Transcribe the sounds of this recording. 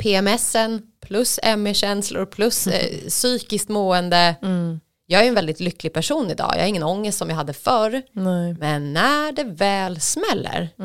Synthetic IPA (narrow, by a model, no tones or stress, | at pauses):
pʰeːɛmɛsənpʰlɵsɛmːɪɕɛnslʊ̰ɾpʰlɵssyːkɪskt̪moːɛnd̪ə | jɑːɡæɾɛnvɛld̪ɪt̪lʏkːlɪɡ̚pʰæʂuːnɪd̪ɑ̰ːjɑ̰ːaɾɪŋːənɔŋːəst̪sɔmjaɦad̪ːəfœɾmɛnːæɖɛvɛːlsmɛlːə̰ɾ